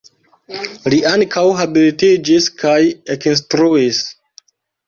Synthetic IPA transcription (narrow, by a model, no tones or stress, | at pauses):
liaŋkʰawɦabilitid͡ʒiskʰajekins̬tɾuis